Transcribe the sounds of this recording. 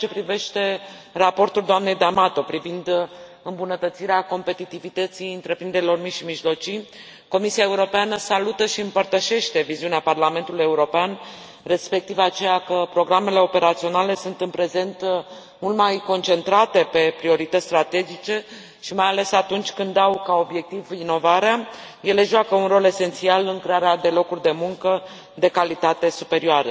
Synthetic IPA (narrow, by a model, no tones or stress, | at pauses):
t͡ʃepɾive̞ʃt̪e̞rapo̞rt̪uld̪oamne̞jd̪amat̪o̞pɾivind̪ | ɨmbunət̪ət̪siɾeako̞mpe̞t̪it̪ivit̪ət̪sijɨnt̪ɾe̞pɾind̪e̞ɾilo̞rmiʃimiʒlo̞t͡ʃij | ko̞misiae̞uɾo̞peanəsalut̪əʃiɨmpərt̪əʃe̞ʃt̪e̞viziuneaparlame̞nt̪uluje̞uɾo̞pean | re̞spe̞k̚t̪ivat͡ʃe̞jakəpɾo̞ɡɾame̞le̞o̞pe̞ɾat̪sio̞nale̞sunt̪ɨnpɾe̞ze̞nt̪ | mult̪majko̞nt͡ʃe̞nt̪ɾat̪e̞pe̞pɾio̞ɾit̪ət̪sʲt̪ɾat̪e̞d͡ʒit͡ʃe̞ | ʃimajale̞sat̪unt͡ʃʲkɨnd̪awkao̞bje̞k̚t̪ivino̞vaɾeaje̞le̞ʒoakəunro̞le̞se̞nt̪sialɨŋkɾe̞aɾead̪e̞lo̞kurʲd̪e̞muŋkə | d̪e̞kalit̪at̪e̞supe̞ɾioaɾə